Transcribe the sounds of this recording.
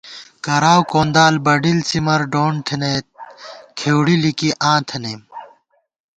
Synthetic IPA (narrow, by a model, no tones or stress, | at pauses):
kɐɾaːwkoːnd̪aːlbɐɖilsimɐɾɖoːɳt̪ʰenet̪̚kʰeːwɽilikiʔãːt̪ʰɐnem